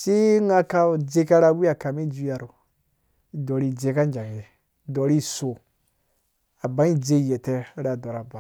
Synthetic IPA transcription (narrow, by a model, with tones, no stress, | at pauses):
si˦ŋa˦ka˧˨d͡ʒe˧ka˦ɾa˧wi˦a˨ka˨mi˦d͡ʒu˦˧˦ja˨ɾu˨ | i˨dɔ˨ɾi˦˨d͡ze˧ka˦n˦d͡ʒã˨ŋ˨e˨ | dɔ˨ɾi˦so˨ | a˨ba˨˦i˦d͡ze˧˦˨jɛ˨tɛ˧˦ɾa˨dɔ˨ɾa˨ba˨